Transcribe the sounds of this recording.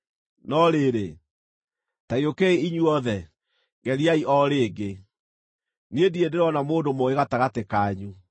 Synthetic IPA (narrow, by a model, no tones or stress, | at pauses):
nɔɾeɾe | taiokɛeiɲuɔðɛ | ŋɡɛɾiaiʔɔɾeːɡe | niediedeɾɔnamoːndomoeɣataɣatekaːɲu